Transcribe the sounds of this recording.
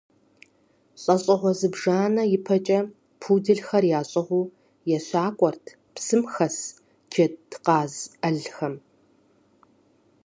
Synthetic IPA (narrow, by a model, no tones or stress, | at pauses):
ɕʼɐɕʼɐʁʷɔzɨbʐaːnɐjɪpʰɐt͡ʃʼɐ | pʰuːdɨɮxɐrjaːɕʼɐʁʷuː | jɛɕʷaːkʷʼɔrtʰ | psɨmxɐs | d͡ʒɐtʰqɑːzɐɮxɐm